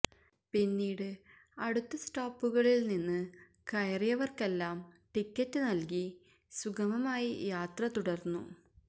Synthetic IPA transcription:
pinːiːɽɨ | ɐɽut̪ːɐsʈoːpːuɣɐɭilninːɨ | kɐjrijɐʋɐrke̞lːaːm | ʈikʲːɐtːɨnɐlki | suɡɐmɐmaːjijaːt̪rɐt̪uɽɐrnːṵ

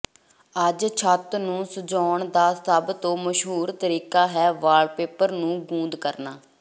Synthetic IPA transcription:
əd͡ʒt͡ʃʰət̪nũːsʊd͡ʒɔːɳd̪aːsəbt̪õːməʃɦuːɾt̪əɾiːkaːɦɛːʋaːɖpeːpəɾnũːɡũːnd̪kəɾnaː

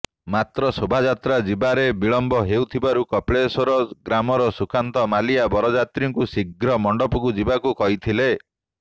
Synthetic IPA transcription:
mat̪ɾɔsobʱad͡ʒat̪ɾad͡ʒibaɾebiɭɔmbɔɦewt̪ʰibaɾukɔpɭesɔɾɔɡɾamɔɾɔsukant̪ɔmaliabɔɾɔd͡ʒat̪ɾiŋkusiɡɾɔmɔɳɖɔpuɡud͡ʒibakukɔɦit̪ʰile

